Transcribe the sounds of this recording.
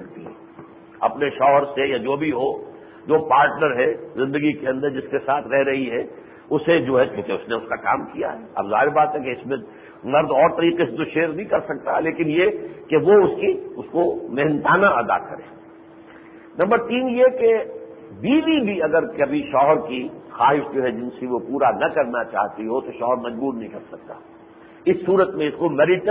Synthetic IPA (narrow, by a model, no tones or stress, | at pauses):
ɐkt̪ḭɦɛ̰̃ | ɐ̰pneʃɔːɦəɾsejad͡ʒoːbʱiɦo | d͡ʒoːpaːɾʈnəɾɦɛzɪ̃nd̪əɡikeɐ̃nd̪əɾd͡ʒɪskesaːt̪ʰɾɛɦɾɐɦiɦɛ | ʊsed͡ʒoːɦɛt͡ʃũːkeʊsneʊskaka̰ːmkija̰ɦɛɐ̰bza̰ːɦɪɾbaːt̪ɦɛkeɪsmẽ | mɐɾd̪ɔːɾt̪ɐɾiːqeset̪oʃeːɾnɦĩkɐɾsɐk̚t̪aleːkɪnjekeʋoʊskiʊskomɛɦnt̪aːnaʔɐd̪a̰kɐ̰ɾḛ̃ː | nɐ̃mbəɾt̪iːnjeke | biːʋibʱiɐɡəɾkɐbʱiʃɔːɦəɾkixaːɦɪʃd͡ʒoːɦɛd͡ʒɪnsiʋopuːɾanɐkɐɾnat͡ʃa̰ːɦt̪iɦot̪oʃɔːɦəɾmɐd͡ʒbuːɾnɐɦĩkɐɾsɐk̚t̪aː | ɪsːuːɾət̪mẽɪskomɛːɾɪʈ